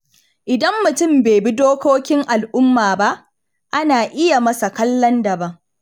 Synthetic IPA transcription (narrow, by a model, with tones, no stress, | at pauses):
ʔɪ˨dɐ˦mːʊ˨tʊ˦mbeː˨bi˦doː˦kʷoː˦kʲɪ˦ŋʔa˨lʔʊ˦mːaː˨ba˦ʔ | ʔa˦naː˨ʔɪ˦ja˨mɐ˦sa˨kɐ˦lːɐ˦ndɐ˨bɐ˦ŋ